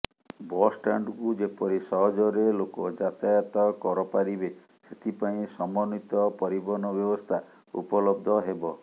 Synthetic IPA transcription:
bɔsʈaɳɖkud͡ʒepɔɾisɔɦɔd͡ʒɔɾelokɔd͡ʒat̪ajat̪ɔkɔɾɔpaɾibe | set̪ʰipaĩsɔmɔnit̪ɔpɔɾibɔnɔbjɔbɔst̪ʰa | ṵpɔlɔb̚d̪ʱɔɦebɔ

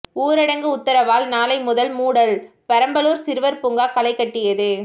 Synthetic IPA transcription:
uːɾɐɽɐŋɡɯʊt̪ːɐɾɐʋaːlnaːlɐɪmʊðɐlmuːɽɐl | pɐɾɐmbɐloːɾsɪɾɯʋɐɾpʊŋɡaːkɐlɐɪkːɐʈːɪjɐðɯ

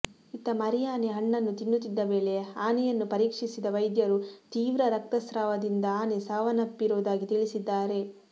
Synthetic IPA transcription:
it̪ɐmɐɾijaːneɦɐɳːɐnːut̪inːut̪ːid̪ːɐʋe̞ːɭe̞aːnɛjɐnːupɐɾiːkʂisid̪ɐʋɐjd̪jɐɾut̪iːʋɾɐɾɐk̚t̪ɐsɾaːʋɐd̪ind̪ɐaːnesaːʋɐnɐpːiɾoːd̪aːɡit̪iɭisid̪ːaːɾe̞

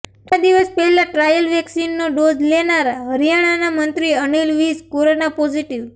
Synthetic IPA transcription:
ʈad̪iʋəspɛɦɛlaʈɾajəlʋɛksinːoɖod͡ʒlenaɾaɦəɾijaɽ̃anamənt̪ɾiənilʋiskoɾonapɔd͡ʒiʈiʋ

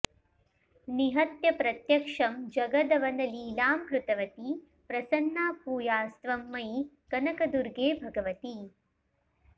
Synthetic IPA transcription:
niɦɐt̪jɐpɾɐt̪jɐkʂɐmd͡ʒɐɡɐd̪ɐʋɐnɐliːlaːmkɾut̪ɐʋɐt̪i | pɾɐsɐnːaːpuːjaːst̪ʋɐmːɐj | kɐnɐkɐd̪uɾɡeːbʱɐɡɐʋɐt̪i

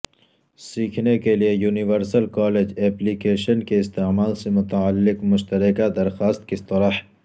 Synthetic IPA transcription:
siːkʰnekelijejuːnɪʋəɾsəlkɔːleːd͡ʒɛːplikeːʃənkeɪst̪emaːlsemʊt̪aalːɪkmʊʃt̪ɐɾɪkad̪ɐɾxaːst̪̚kist̪ɐɾəh

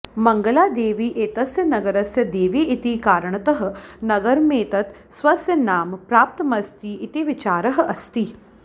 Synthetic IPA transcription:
mɐŋɡɐlaːd̪eːʋiːʔeːt̪ɐsjɐnɐɡɐɾɐsjɐd̪eːʋiːʔit̪ikaːɾɐɳɐt̪ɐɦɐ̆nɐɡɐɾmeːt̪ɐt̪ | sʋɐsjɐnaːmpɾaːp̚t̪ɐmɐst̪iʔit̪iʋit͡ʃaːɾɐɦɐ̆ʔɐst̪i

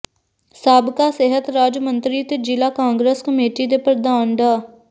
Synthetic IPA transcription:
saːbkaːsɪɦət̪ɾaːd͡ʒmənt̪ɾiːt̪eːd͡ʒɪlaːkãːŋɡɾeːskəmeːʈiːd̪eːpɾəd̪aːnd̪aː

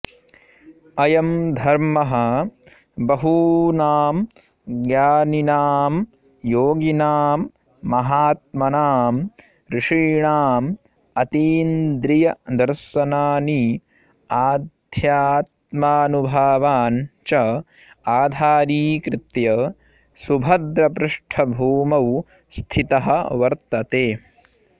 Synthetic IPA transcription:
ɐjɐmd̪ʱɐɾmɐɦɐ | bɐɦunaːm | ɡjaːninaːm | joːɡinaːmː | ɐɦaːt̪̚mɐnaːm | ɾɪʂiːɳaːm | ɐt̪iːnd̪ɾijɐd̪ɐɾʃɐnaːni | aːd̪ʱjaːt̪̚maːnubʱaːʋaːnt͡ʃɐ | aːd̪ʱaːɾiːkɾɪt̪jɐ | subʱɐd̪ɾɐpɾuʂʈʰɐbʱuːmɐw | st̪ʰit̪ɐɦɐ̆ʋɐɾt̪ɐt̪eː

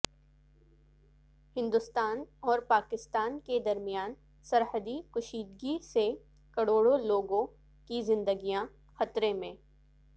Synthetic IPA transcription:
hɪ̃nd̪ʊst̪aːnɔːɾpaːkɪst̪aːnked̪ɐɾmijaːn | sɐɾɦəd̪ikʊʃiːd̪ɡise | kɐɽoːɽoloːɡõ | kizɪ̃nd̪əɡijã | xɐt̪ɾemẽː

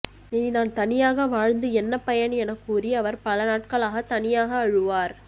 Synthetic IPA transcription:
niːnaːnt̪ɐnɪjaːɣɐʋaːɻnd̪ɯɛnːɐpɐjɐnɛnɐkːuːrɪɐʋɐɾpɐlɐnaːʈ̚kɐɭaːɣɐt̪ɐnɪjaːɣɐːɻɯʋaːɾ

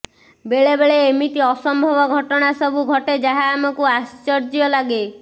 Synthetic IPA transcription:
beɭebeɭeːmit̪iɔsɔmbʱɔbɔɡʱɔʈɔɽ̃asɔbʱuɡʱɔʈed͡ʒaɦaːmɔkuast͡ʃɔɾd͡ʒiɔlaɡe

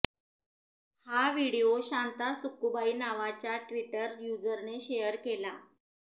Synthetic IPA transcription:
haʋiɽioɕant̪asukubainaʋat͡ɕjaʈʋiʈəɾjud͡zəɾneɕejəɾkela

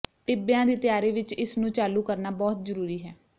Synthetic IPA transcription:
ʈɪbjãːd̪eːt̪ɪjaːɾeːʋɪt͡ʃɪsnũːt͡ʃaːluːkəɾnaːbɔːt̪zəɾuːɾiːɦɛː

